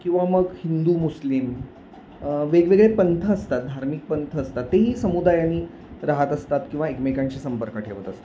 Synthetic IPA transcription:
kĩw̃ʋaməɡhind̪uːmuslim | ʋeɡʋeɡɭepənt̪ʰəːst̪at̪̚d̪ʱaɾmik̚pənt̪ʰəːst̪at̪ːeɦiːsəmud̪ajañːiː | ɾaɦət̪əst̪at̪kĩw̃ʋaekmekaɲt͡ɕiːsəmpəɾkəʈʰeʋət̪əst̪

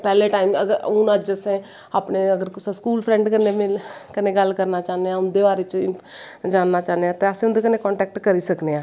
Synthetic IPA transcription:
pɛːleːʈaːimə̰ɡəɾʊnad͡ʒəsẽː | aːpneːəɡəɾkɪsaskuːlpʰɾɛ̃ːɳɖkənːeːmɪlkəneːɡəlkəɾnaːt͡ʃaːneãːʊnd̪eːbaːɾeːt͡ʃː | d͡ʒaːnːaːt͡ʃaːneãːt̪eːəsẽːʊnd̪eːkəneːkɔ̃ːɳʈɛːk̚ʈkəɾiːsəkneːãː

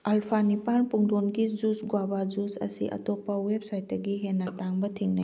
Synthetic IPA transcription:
alpʰanipanpuŋdonɡid͡ʒusɡwabazusɐ̰sḭʔɐ̰topːɐwep̚sajt̚dɐɡiɦenːɐtaŋbɐtʰiŋnɐ̰j

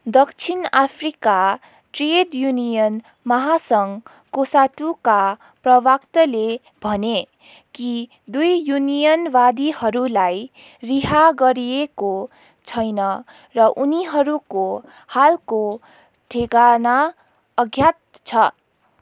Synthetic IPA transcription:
d̪ʌkt͡sʰinapʰrika | ʈreɖjunijʌn | mʌɦasʌŋ | kosaʈuka | prʌbakt̪ʌle | bʱʌne | ki | d̪ujjunijʌnbad̪ihʌɾulaj | riɦaɡʌɾieko | t͡sʰʌjnʌ | rʌʔuniɦʌɾuko | halko | ʈʰeɡana | ʌɡʱjat̪̚ | t͡sʰʌ

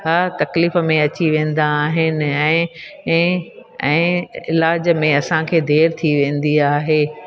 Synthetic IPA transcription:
ɦaːt̪ɐkliːfəmẽɐt͡ɕiʋẽːn̆d̪aːɦɪnɪ̆ɛ̃ː | ɛ̃ːɪlaːd͡ʑəmẽɐsãkʰeːd̪ʱeːɾt̪ʰiʋẽːn̆d̪iaːɦeː

